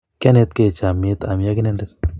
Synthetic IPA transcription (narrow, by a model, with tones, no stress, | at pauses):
kɛ˦ne˦t̪ke˦˨t͡ʃa˨me˦t̪a˨m˨ja˦ki˦nɛ˦ndɛt̪